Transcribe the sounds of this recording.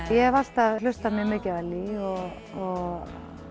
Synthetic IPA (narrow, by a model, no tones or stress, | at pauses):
jɛvast̪alʏst̪amjɛmɪːcɪvalːiɔɣ | ɔɣ